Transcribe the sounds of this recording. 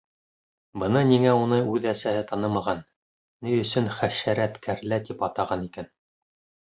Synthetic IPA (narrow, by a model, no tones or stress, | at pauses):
bɤ̆nɤniŋæunɤʉðæsæhɘt̪ɑnɤmɑʁɑnː | ijɵ̆sɵnχæʃæɾæt̪kʰæɾlæt̪ipɑt̪ɑʁɑnikæn